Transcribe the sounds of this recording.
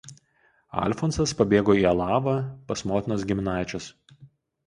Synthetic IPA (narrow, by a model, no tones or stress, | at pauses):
ɐ̰lʲfɔnsɐspɐbʲeːɡoːiːɐlˠɑːʋɐpɐsmoːt̪ʲɪnos̬ɡʲɪmʲɪnɑˑɪt͡ʃʲʊs